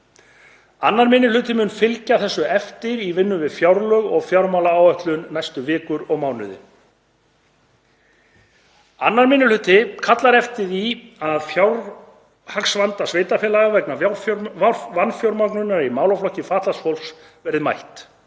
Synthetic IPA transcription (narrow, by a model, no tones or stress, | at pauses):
anːaɾmɪnɪlʏːt̪ɪmʏːnfɪlcaθɛsːʏɛft̪ɪɾivɪnːʏvɪðfjawɾlœɣɔɣfjawɾmawlaaːwœht̪lʏnːajst̪ʏvɪːkʏɾɔɣmaːwnʏ̰ðɪ̰ | anːaɾmɪnɪlʏːt̪ɪkʰat̪laɾɛft̪ɪðiaðfjawɾ | haksvant̪asveːjt̪afɛːlaɣavɛkna | vanfjɔwɾmaknʏnːaɾimaːwlaflɔhcɪfaːt̪lasfɔwls | vɛːɾɪma̰jht̪